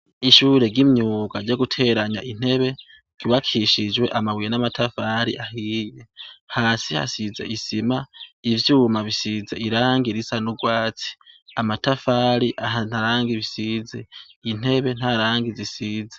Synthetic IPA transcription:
iʃuːɾe̞ɡimɲuːɡaɾɟoɡutʰe̞ːɾaɲaʔin̥e̞βe̞ | ɡ̥iβakʰiʃid͡ʒwe̞ʔamawijenamatʰafaɾḭʔaɦijehaːsiha̰sizḛʔisimaivjuːmaβisizeiɾaːŋɡiɾisanuɡwaːt͡si̥amatafaɾiʔanaɾaːŋɡiβisiːzein̥e̞βe̞n̥aɾaːŋɡizisiːze

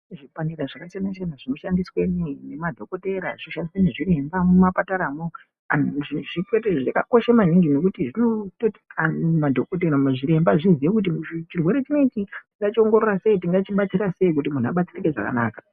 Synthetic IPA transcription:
ʐipaniraʐakat͡ʃenat͡ʃenaʐinoʃandiswe̞nine̞madʱo̞ko̞te̞ɾaʐ̥iʃandisweniʐiɾe̞mbamumapataɾaːmo | aʐiʐikweteʐakako̞ʃamaniŋɡino̞k̬utiʐinototamadʱokot̬e̞ɾameʐiɾe̞mbaʐizijek̬ut̬imt͡ʃirwe̞ɾe̞t͡ʃino̞it͡ʃitiŋɡat͡ʃio̞ŋɡo̞ɾo̞rase̞itiŋɡat͡ʃiɓat͡siɾase̞ik̬utimun̤ua̰ɓat͡sirike̞ʐa̰ka̰naːkḁ

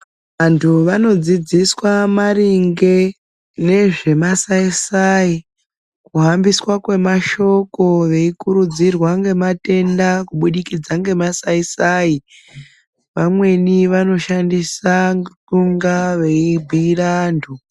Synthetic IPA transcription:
ʋantʰuʋano̞d͡zid͡ziswamariŋɡe̞ | ne̞ʐe̞masaisai | kuɦambiswakwe̞maʃo̞ko̞ʋe̞ikuɾud͡zirwaŋɡe̞mate̞ndakuɓuɗikid͡zaŋɡe̞masaisaːi | ʋamwe̞niʋano̞ʃandisaŋtuŋɡaʋe̞ibʱirantʰu

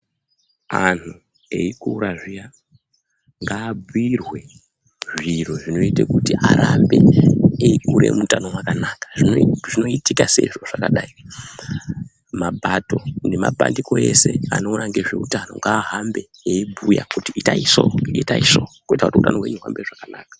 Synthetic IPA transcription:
anu | eikuɾaʐija | ŋɡaːbirwe̞ | ʐir̤oʐino̞itekutiʔaɾambe̞eikuɾe̞̰mutano̞wakanakḁʐiʐino̞itikase̞̰ʐo̞ʐ̥akaɗai | mabʱato̞nemabʱa̰ndiko̞e̞̰se̞ano̞unaŋɡe̞ʐe̞utano̞̰ŋɡaːɦambe̞ | eibʱuja̰kutiitaisoitaisokuitakutiutanowe̞̰ɲuɦa̰mbeʐakanaːkḁ

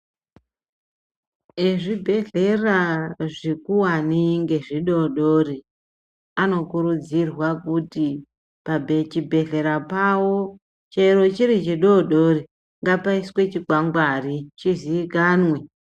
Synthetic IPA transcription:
eʐibʱe̞ɮe̞raʐikuwaniŋɡe̞ʐiɗo̞ɗo̞ri | ano̞kuɾud͡zirwakuti | pabʱet͡ʃibʱe̞ɮe̞ɾapawo | t͡ʃeɾo̞t͡ʃiɾit͡ʃiɗoɗo̞ri | ŋɡapaiswe̞t͡ʃiɡʱwaŋɡwarit͡ʃiziikaːnwe

